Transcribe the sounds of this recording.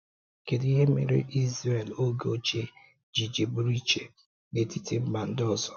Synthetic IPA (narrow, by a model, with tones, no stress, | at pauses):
ke˨di˦ɦe˦mḛ˨ɾḛ˦ʔi˦zɾe˨lo˦ɡe˦o˦t͡ʃe˦ | d͡ʒi˨d͡ʒe˨bu˦ɾi˦t͡ʃe˨ | ne˨ti˦tʰe˦ma˨n̩˦dɔ˦˨zɔ̥˨